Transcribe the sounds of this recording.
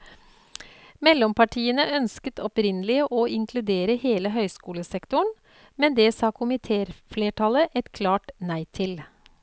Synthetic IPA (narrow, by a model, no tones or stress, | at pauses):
mɛlːɔmpʰɑʈʰiːənəʔœnskət̪ʰɔpɾɪnəlɪəʔoːɪŋkʰlʉd̪eːɾəheːləɦœʏskuːləsɛkt̪ʊɳ | mɛnd̪ɛːsɑːkʰʊmɪt̪ʰeːɾfleːʈʰɑləʔɛt̪kʰlɑːʈnæɪt̪ʰɪl